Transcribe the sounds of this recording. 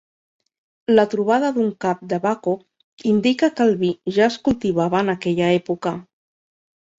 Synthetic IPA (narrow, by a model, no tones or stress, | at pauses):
lət̪ɾuβ̞að̞əðuŋkap̚d̪əβako | ind̪ikəkəlβiʒaəskulˠt̪iβ̞aβəːnakɛʎaepukə